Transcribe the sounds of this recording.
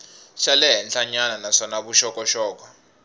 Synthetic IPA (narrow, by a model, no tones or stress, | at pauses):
ʃalɛɦɛnt͡ɬaɲananasɔnaβuʃɔkʼɔʃɔːk̬ʼɔ